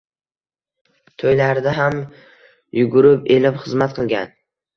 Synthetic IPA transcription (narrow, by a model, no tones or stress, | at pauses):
t̪ʰojlaɾd̪aɦam | jʊɡʊɾɪpe̞lɪpχɨzmat̪̚qʰɨlˠɡʲa̰n